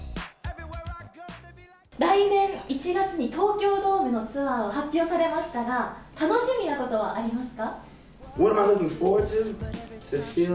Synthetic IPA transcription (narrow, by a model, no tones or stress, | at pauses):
ɾaine̞nit͡ɕʰiɡasɯɲitʰokjodomɯnot͡sʰɯaoɦap͈josʰaɾe̞maɕʰi̥taɡatanoɕʰiminakot͈owa̰ʔaɾimasɨ̥ka | woɾmanonɯpod͡ʑɯmsefi